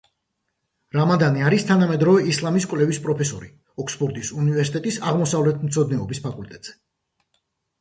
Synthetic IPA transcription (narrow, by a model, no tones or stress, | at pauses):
ɾamad̪aniaɾist̪ʰanamɛd̪ɾɔvɛislˠamiskʼwlɛvispʼɾɔpʰɛsɔɾi | ɔkspʰɔɾd̪isunivɛɾsit̪ʼɛt̪ʼisaʁmɔsavlɛt̪ʰmt̪sʰɔd̪nɛɔbispʰakʼult̪ʼɛt̪ʼz̥ɛ